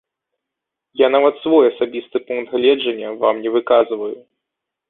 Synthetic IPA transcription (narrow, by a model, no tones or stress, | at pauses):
janavɐt̪svɔjɐsabʲist̪ɨpunkt̪ɣlʲɛd͡ʐɐnʲːɐva̰mnʲɛvɨkazvɐju